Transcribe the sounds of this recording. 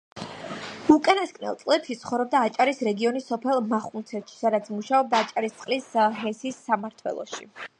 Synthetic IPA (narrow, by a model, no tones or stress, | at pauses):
ukʼanaskʼnɛ̰lˠt̪sʼlɛpʃit̪sʰχɔvɾɔb̚d̪aːt͡ʃʼaɾisɾɛɡiɔnisɔpʰɛlˠmaχunt̪sʰɛt̪ʃi̥sad̪at̪sʰmuʃaɔb̚d̪aːt͡ʃʼaɾist̪sʼqʼlisɦɛsisːamaɾt̪ʰwɛ̰lˠɔ̰ʃḭ